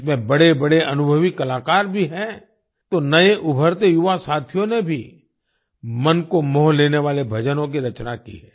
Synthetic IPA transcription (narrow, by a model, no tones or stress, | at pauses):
smẽbɐɽebɐɽeʔɐnʊbʱəʋikɐlaːkaːɾbʱiɦɛ̃ | t̪onɐeʔʊbʱəɾt̪ejʊʋasaːt̪ʰijõnebʱi | mɐnkomɔːleːneʋaːlebʱɐd͡ʒənõk̬iɾɐt͡ʃnakḭɦɛ̰ː